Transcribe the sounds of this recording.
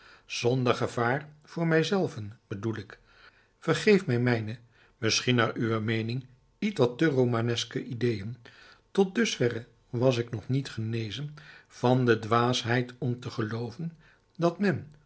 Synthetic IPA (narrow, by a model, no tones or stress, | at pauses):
z̥ɔndəɹχəv̥aːɹv̥ʊːɹmɛjzɛlˠvənb̥ədulɪk | fərχejfmɛjmɛjnə | mɪsχinaːɹʔyʋəmejnɪŋ | itʋɑtərowmanɛskəʔidejən | tɔt̚dɵsfɛrə | ʋɑs̬ɪknɔχnitχənejzənv̥ɑndədʋaːsɦɛjtʰɔmtəχəlowvən | dɑtmɛn